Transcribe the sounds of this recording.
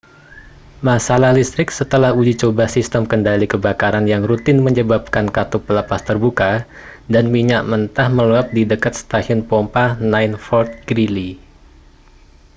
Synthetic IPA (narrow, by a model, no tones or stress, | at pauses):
masalahlist̪ɾɪk̚sət̪əlahud͡ʒit͡ʃobahsist̪əmkəndalikəbakaɾanjaŋrut̪ɪnməɲəbap̚kankat̪upələpast̪ərbuka | danmiɲaʔmənt̪ahməluap̚didəkat̪̚st̪aʃɔnpɔmpanajnfɔrt̪̚ɡɾili